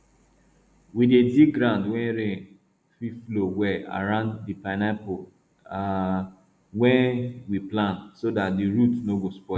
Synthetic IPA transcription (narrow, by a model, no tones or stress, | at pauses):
widediɡɾãndwɛ̃nɾe | fiflowɛa̰ɾãndːipanapo | a | wɛ̃nwiplãntsodat̚diɾutnoɡospɔ